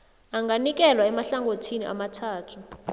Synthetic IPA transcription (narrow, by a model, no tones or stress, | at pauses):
aŋɡanik̬ɛlwaɛmaɬaŋɡotʰiniʔa̰matʰaːtʰu